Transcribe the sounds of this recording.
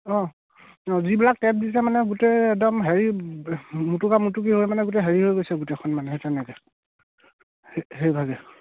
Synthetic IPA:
ɔ̃ | ɔzibilak̚tɛp̚disɛmanɛɡuteɛk̚dɔmɦeɹi | mutukamutuk̬iɦojmanɛɡutɛɦeɹiɦojɡojsɛɡutɛkʰɔnmanɛtɛnɛkɛ | ɦejbʱaɡɛ

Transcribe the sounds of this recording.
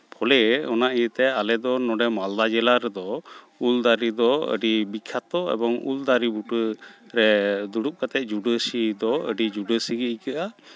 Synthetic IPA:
pʰɔlɛɔnaʔijət̪ɛalɛd̪ɔnɔɖɛmald̪ad͡ʒɛlaɾɛd̪ɔ | uld̪aɾid̪ɔə̰ɖibikʰat̪ɔɛ̰bɔŋṵld̪aɾibuʈəɾɛd̪uɽup̚kat̪ɛʔ̚ˀd͡ʒuɖəsid̪ɔəɖid͡ʒuɖəsiɡəjkəʔa

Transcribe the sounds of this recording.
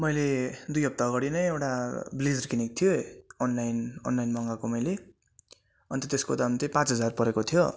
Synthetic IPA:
mʌjled̪ujɦʌp̚t̪aɡʌɽinʌjewʈablid͡zrkinik̚t̪ʰijoʌnlajnʌ̰nlajnmʌŋɡakomʌjle | ʌnt̪ʰʌt̪eskod̪amt̪ʌpãt͡sɦʌd͡zarpʌɾekot̪ʰijo

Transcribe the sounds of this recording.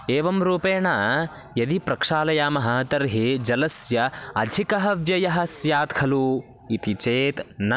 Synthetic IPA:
eːʋɐmɾuːpeːɳaː | jɐd̪ipɾɐkʂaːlɐjaːmɐɦɐ̆t̪ɐɾɦed͡ʒɐlɐsjɐɐd̪ʱikɐɦɐʋjɐjɐɦɐsjaːt̪kʰɐlu | it̪it͡ʃeːt̪nɐ

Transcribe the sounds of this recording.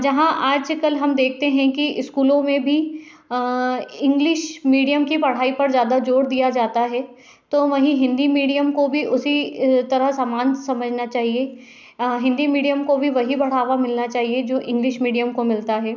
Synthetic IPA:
d͡ʒɐɦãʔaːd͡ʒkɐlɦɐmd̪eːk̚ʰt̪eɦɛ̃kiɪskuːlõmẽbʱi | ɪ̃ŋɡlɪʃmiːɖijəmkipɐɽ̤aːipɐɾzjaːd̪ad͡ʒoːɽd̪ijad͡ʒaːt̪aɦɛː | t̪oːʋɐɦĩɦɪ̃nd̪imiːɖijəmkobʱiʔʊsit̪ɐɾəɦsaːmaːnsɐməd͡ʒʱnat͡ʃaːɦie | ɦɪ̃nd̪imiːɖijəmkobʱiʋɐɦibɐɽ̤aːʋamɪlnat͡ʃaːɦied͡ʒoːʔɪ̃ŋɡlɪʃmiːɖijəmkomɪlt̪aɦɛː

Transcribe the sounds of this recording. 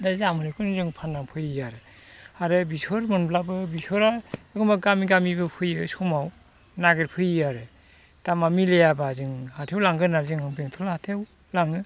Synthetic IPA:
dazamɯɾɯkʰɯnzɯŋpʰanːaŋpʰɯjaɾɯ | aɾɯbisɔɾmɯnblabɯbisʰɔɾaɯɡɯmaɡamiɡamibɯpʰɯjɯsɔmaw | naɡɯɾpʰɯjaɾɯ | tamamilejabazɯŋhatʰewlaŋɡɯnaɾzɯŋɯbeŋtʰɔlhatʰew | laŋɯ

